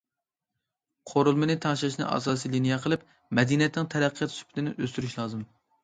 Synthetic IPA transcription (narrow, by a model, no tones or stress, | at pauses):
qʰoɾulˠmɨnɪt̪ʰɑŋʃlʃnɨ̰ʔɑ̰sɑːsilinijɛqʰəlˠɪp̚ | mɛd̪injɛt̪nɪŋt̪ʰɛɾæqʰːəjɛt̪sy̥pʰɪ̥t̪ʰɪnɪʔøst̪yɾyʃlˠɑːzɨm